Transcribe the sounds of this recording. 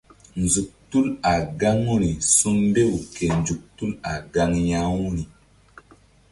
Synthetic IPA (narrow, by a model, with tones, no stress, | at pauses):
nzu˨k̚tu˦la˨ɡa˦ŋu˦ɾi˨su˦nbe˦wu˨ke˨n˨d͡ʒu˨k̚tu˦la˨ɡa˦ŋja˦wu˦ɾi˨